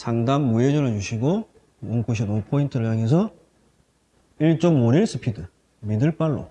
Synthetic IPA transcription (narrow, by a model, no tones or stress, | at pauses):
t͡ɕaŋdamːujed͡ʑʌnɯɭd͡ʑuɕʰiɡo | onkuɕ̬ʰinopʰointʰɯɾɯɭjaŋe̞s̬ʰʌ | iɭt͡ɕ͈ʌmoɾiɭs͈ʰɯpʰidɯ | midɯɭp͈aɭːo̰